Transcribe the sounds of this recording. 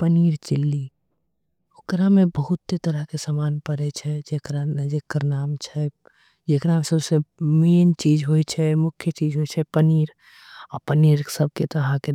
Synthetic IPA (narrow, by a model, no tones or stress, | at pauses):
pəniːɾt͡ʃɪlːi | ʊkɾamẽbəɦʊt̪ːet̪ɐɾəɦkesaːmaːnpəɾet͡ʃʰɛd͡ʒekɾanəd͡ʒɪkːəɾnaːmt͡ʃʰɛ | d͡ʒekɾamsəbsemeːnt͡ʃiːd͡ʒɦoit͡ʃʰɛmʊkʰjət͡ʃiːd͡ʒɦoit͡ʃʰɛpəniːɾ | ɔːɾpəniːɾsəb̚ket̪oɦãke